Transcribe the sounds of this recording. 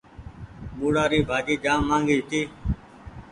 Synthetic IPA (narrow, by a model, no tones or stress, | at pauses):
muːɽaːɾiːbʱaːd͡ʒiːd͡ʒaːmːãːŋɡiːt̪ʰiː